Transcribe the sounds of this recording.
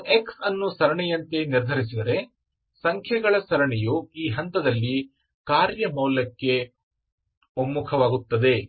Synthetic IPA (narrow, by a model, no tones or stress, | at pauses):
eksɐnːusɐɾɐɳɛjɐnt̪e̞niɾd̪ʱɐɾis̬id̪ɐɾe̞ | sɐŋkʰjɐɡɐɭɐsɐɾɐɳɛjuiːɦɐnt̪ɐd̪ɐlːi | kaːɾjɐmɐːlɐkːe̞ | omːukʰɐʋaːɡut̪ːɐd̪e̞